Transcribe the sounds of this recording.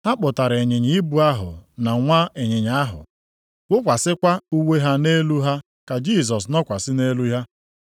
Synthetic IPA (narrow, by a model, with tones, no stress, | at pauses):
a˦k͡pʊ˨ta˨ɾe˨ɲɪ˨ɲɪ˦i˦bu˨a˦ɦʊ̰˨na˨ŋʷa˦e˨ɲɪ˨ɲa˨a˦ɦʊ̰˨ | wʷʊ˦kʷa˨sɪ˦kʷa˦u˦we˦ɦa˦ne˦lu˦ɦa˦ | ka˨d͡ʒi˦˨s̬ɔ˨s̬nɔ˦kʷa˨sɪ˦ne˦lu˦ɦa˦